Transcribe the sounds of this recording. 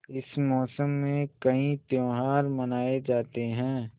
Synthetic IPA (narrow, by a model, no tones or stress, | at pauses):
ɪsmɔːsəmːẽkɐĩt̪joːɦaːɾmɐnaːed͡ʒaːt̪eɦɛ̃ː